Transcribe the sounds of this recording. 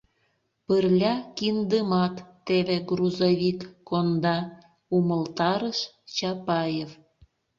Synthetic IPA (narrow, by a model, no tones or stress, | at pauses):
pərlʲɑkind̪əmɑt̪ːeβeɡruzoβikkond̪ɑ | uməlt̪ɑɾəʃ | t͡ɕɑpɑjef